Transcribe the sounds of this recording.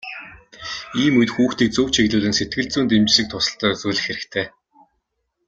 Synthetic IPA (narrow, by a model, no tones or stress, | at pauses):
iːmujt̪xuːxt̪iːk̚t͡sɵwt͡ɕʰiɣɮuːɮɘ̆nset̪̚ɡɘ̆ɮt͡suːnt̪emt͡ɕʃɘ̆k̚t̪ʰʊsə̆ɬt̪œːɵt͡suːɮɘ̆xeɾɘ̆kt̪ʰeː